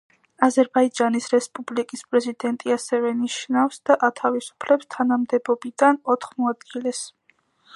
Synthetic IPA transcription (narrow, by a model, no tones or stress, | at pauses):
azɛɾbaid͡ʒanisɾɛspʼublikʼispʼɾɛzid̪ɛnt̪ʼiasɛvɛniʃnafsd̪̥aʔat̪ʰavisu̥pʰlɛpst̪ʰanamd̪ɛbɔbid̪̥anɔt̪ʰχmɔad̪ɡilɛs